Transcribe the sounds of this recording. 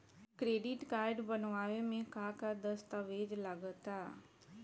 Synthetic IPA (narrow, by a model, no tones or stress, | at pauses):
kɾeːɖɪʈɡaːɪɖbənʋaːʋemẽkaːkad̪əst̪aʋeːd͡ʒləɡət̪aː